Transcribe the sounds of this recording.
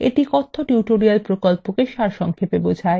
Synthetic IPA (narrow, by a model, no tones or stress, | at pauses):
ḛʈikɔt̪ʰːoʈjuʈoɾialpɾokolpokeʃaɾʃɔŋkʰepebod͡ʑʱae